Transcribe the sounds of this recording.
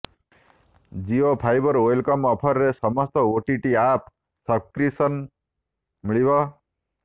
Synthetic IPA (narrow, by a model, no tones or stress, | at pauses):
d͡ʒiopʰajbʌɾojlkɔmɔpʰʌɾːesʌmɔst̪ɔoʈiʈiap̚ʰ | sʌkɾisʌn | miɭibʌ